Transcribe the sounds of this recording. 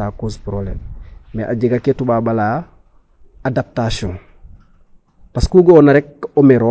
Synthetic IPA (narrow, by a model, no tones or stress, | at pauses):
aːkospɾoblɛ̰ːmːeʔaɟiɡaketubabala | adap̚tasiɔ̃ŋ | paskuɡɔnaɾɛk̚omeɾɔ